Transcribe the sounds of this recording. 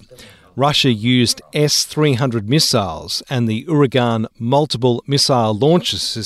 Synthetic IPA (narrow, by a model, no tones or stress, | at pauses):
ɹʌʃɨjʉzdɛsθɹiɦʌ̃ndɹɨd̚mɪsaɪlˠz̥ɨ̃nðiʔʊɹɨɡɑ̃nmʌlˠtəp̬əl̩ˠmɪsaɪlɔ̃ˑnt͡ʃɨz̥ɪ